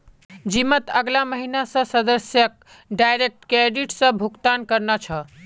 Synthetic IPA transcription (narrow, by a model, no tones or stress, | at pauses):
d͡ʒimət̪əɡlaməɦinasə̃səd̪əsjək̚ | ɖajɾek̚ʈkeɖiʈsə̃bʱukt̪ankəɾnat͡ʃʰə